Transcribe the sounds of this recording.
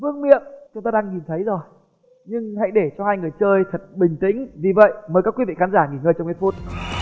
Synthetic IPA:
vɨ˧əŋmḭ˧˨əmt͡ɕʊ˨˦ŋ͡mt̪aː˧ɗaː˧ŋɲi˨˩nt̪ʰə˨˦jzo˨˩j | ɲɨ˧ŋha̰˧˨jɗe˧˩t͡ɕɔ˧haː˧jŋɨ˨˩əjt͡ɕəː˧jt̪ʰə˨˩t̚ɓï˨˩ŋ̟t̪ḭ̈˧˥ŋ̟vi˨˩və̰˧˨jməː˨˦jkaː˦˥kwi˨˦vḭ˧˨ka˨˦nzaː˧˩ŋi˧˩ŋəː˧jt͡ɕɔ˧ŋ͡mʔe˦˥t̚fu˦˥t̚

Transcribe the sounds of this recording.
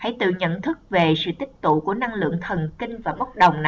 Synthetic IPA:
ha̰˧˥˦jt̪ɨ̰˧˨ɲə̰˧˨nt̪ʰɨ˦˥k̚ve˨˩sɨ̰˧˨t̪i˦˥k̟̚t̪ṵ˧˨ku˧˩əna˧ŋlɨ̰˧˨əŋt̪ʰə˨˩nkï˧ŋ̟vaː˨˩ɓə˦˥wk͡p̚ɗə˨˩wŋ͡mna˨˩

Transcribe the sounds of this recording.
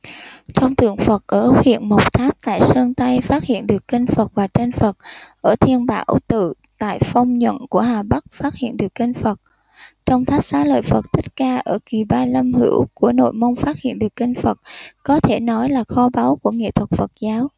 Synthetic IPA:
t͡ɕɔ˧wŋ͡mt̪ɨ˨˩əŋfə˨˩t̚ʔəː˧˩hhwḭ˧˨ənmo˨˩wk͡p̚t̪ʰaː˦˥p̚t̪a̰ː˧˨jsəː˧ŋt̪a˧jfaː˦˥t̚hḭ˧˨ənɗɨ˨˩əkːi˧ŋ̟fə˨˩t̚vaː˨˩t͡ɕa˧ŋfə˨˩t̚ʔəː˧˩t̪ʰi˧ənɓaː˧˩wt̪ɨ̰˧˨ | t̪a̰ː˧˨jfɔ˧wŋ͡mɲwə̰˧˨nku˧˩əhaː˨˩ɓa˦˥k̚faː˦˥t̚hḭ˧˨ənɗɨ˨˩əkːi˧ŋ̟fə˨˩t̚ | t͡ɕɔ˧wŋ͡mt̪ʰaː˦˥p̚saː˨˦lə̰ː˧˨jfə˨˩t̚t̪ʰï˦˥t̚kaː˧ʔəː˧˩ki˨˩ɓaː˧jla˧mhɨ̰˧˥wku˧˩əno̰˧˨jmə˧wŋ͡mfaː˦˥t̚hḭ˧˨ənɗɨ˨˩əkːi˧ŋ̟fə˨˩t̚kɔ˨˦t̪ʰe˧˩nɔ˨˦jlaː˨˩xɔ˧ɓaː˨˦wku˧˩əŋḛ˧˨t̪ʰwə˨˩t̚fə˨˩t̚zaː˨˦w

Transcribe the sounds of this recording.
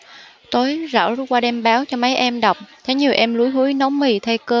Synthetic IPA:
t̪o˨˦jza̰ː˧˩w̚kwaː˧ɗɛ˧mɓaː˨˦wt͡ɕɔ˧ma˨˦jʔɛ˧mɗa˨˩wk͡p̚t̪ʰe˨˦wɲi˨˩əwʔɛ˧mlu˨˦jɦu˨˦əjnə˨˦wŋ͡mmi˨˩t̪ʰa˧jkəː˧

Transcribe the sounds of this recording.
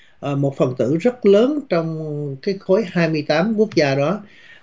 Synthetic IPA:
ʔəː˨˩mo˨˩t̚fə˨˩nt̪ɨ̰˧˩zə˦˥t̚ləː˨˦nt͡ɕɔ˧wŋ͡mkaː˨˦jxo˨˦jhaː˧jmɨ˧əjt̪aː˨˦mku˦˥ək̚zaː˧ɗɔ˨˦

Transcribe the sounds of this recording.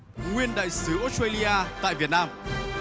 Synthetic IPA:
ŋwi˧ənɗa̰ː˧˨jsɨ˨˦ʔo˦˥t̚e˧li˧ʔaː˧t̪a̰ː˧˨jvi˨˩ət̚naː˧m

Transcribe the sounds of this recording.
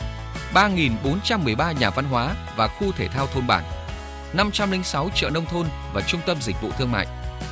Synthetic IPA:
ɓaː˧ŋi˨˩nɓo˨˦nt͡ɕa˧mːɨ˨˩əjɓaː˧ɲaː˨˩va˧nɦwaː˨˦vaː˨˩xu˧t̪ʰe˧˩t̪ʰaː˧wt̪ʰo˧nɓaː˧˩n | na˧mt͡ɕa˧mlï˧ŋ̟sa˨˦wt͡ɕɨ̰˧˨nə˧wŋ͡mt̪ʰo˧n | vaː˨˩t͡ɕʊ˧ŋ͡mt̪ə˧mzï˨˩k̟̚vṵ˧˨t̪ʰɨ˧əŋma̰ː˧˨jʔ

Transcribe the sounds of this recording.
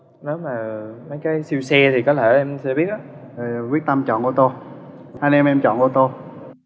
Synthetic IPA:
nə˨˦maː˨˩mə˨˦jkaː˨˦jsi˧wsɛ˧t̪ʰi˨˩kɔ˨˦t̪ʰe˧˩ʔɛ˧msɛ̰˧˥ɓi˦˥ət̚ʔaː˨˧˦ə˨˩kwi˦˥ək̚t̪ə˧mt͡ɕɔ̰˧˨nʔo˧˩t̪o˧ | ha˧nʔɛ˧mʔɛ˧mt͡ɕɔ̰˧˨nʔo˧˩t̪o˧

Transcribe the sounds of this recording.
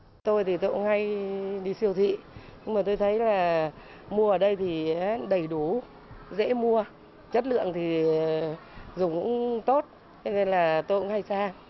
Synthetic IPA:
t̪o˧jt̪i˨˩t̪o˧jkʊ̰˧˥ŋha˧jɗi˧si˧əwt̪ʰḭ˧˨ɲɨ˧ŋ͡mmaː˨˩t̪o˧jt̪ʰə˨˦jlaː˨˩ | mu˧əʔəː˨˩ɗə˧jt̪ʰi˨˩˨ɗə˨˩jɗu˨˦ | zɛ̰˧˥mu˧ə | t͡ɕə˦˥t̬̚lɨ̰˧˨əŋt̪ʰi˨˩ | zʊ˨˩ŋ͡mkʊ̰˧˥ŋ͡mt̪o˦˥t̚ | t̪ʰɛ˧ne˧nlaː˨˩t̪o˧jkʊ̰˧˥ŋha˧jsaː˧

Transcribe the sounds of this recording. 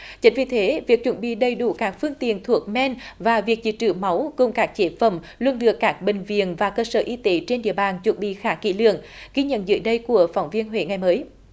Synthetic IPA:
t͡ɕï˨˦ŋ̟vi˨˩t̪ʰe˨˦vi˨˩ək̚t͡ɕwə̰˧˩nɓḭ˧˨ɗə˨˩jɗu˧˩kaː˦˥k̚fɨ˧əŋt̪ḭ˧˨ənt̪ʰu˨˩ək̚mɛ˧nvaː˨˩vi˨˩ək̚t͡ɕḭ˧˨˥t͡ɕɨ̰˧˩ma˨˦wkʊ˨˩ŋ͡mkaː˦˥k̚t͡ɕe˧˩fə˧˩m | lu˧ənɗɨ˨˦əkːaː˦˥k̚ɓï˨˩ŋ̟vḭ˧˨ənvaː˨˩kəː˧səː˧˩ʔi˧t̪e˨˦t͡ɕe˧nɗḭ˧˨əɓaː˨˩nt͡ɕwə̰˧˩nɓḭ˧˨xaː˨˦kḭ˧˥lɨ̰˧˨əŋɣi˧ɲə̰˧˨nzɨ̰˧˥jɗə˧jku˧˩əfa˨˧˩wŋ͡mvi˧ənɦwḛ˧˩ŋa˨˩jməː˨˦j

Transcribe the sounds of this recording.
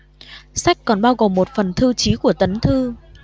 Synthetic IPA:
sa˦˥jk̟̚kɔ˨˩nɓaː˧wɣo˨˩mːo˨˩t̚fə˨˩nt̪ʰɨ˧t͡ɕi˨˦ku˧˩ət̪ə˨˦nt̪ʰɨ˧

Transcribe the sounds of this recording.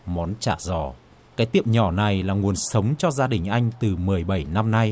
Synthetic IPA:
mɔ˨˦nt͡ɕaː˧˩zɔ˧˩ | kaː˨˦jt̪ḭ˧˨əmɲɔ˧˩na˨˩jlaː˨˩ŋu˨˩ənsə˨˦wŋ͡mt͡ɕɔ˧zaː˧ɗï˨˩ŋ̟ʔa˧jŋ̟t̪ɨ˨˩mɨ˨˩əjɓə˧˩jna˧mna˧j

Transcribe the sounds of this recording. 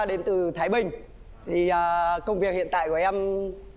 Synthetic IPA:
ɗe˨˦nt̪ɨ˨˩t̪ʰaː˨˦jɓï˨˩ŋ̟ | t̪ʰi˨˩əː˨˩kə˧wŋ͡mvi˨˩ək̚hḭ˧˨ənt̪a̰ː˧˨jkwjʔɛ˧m

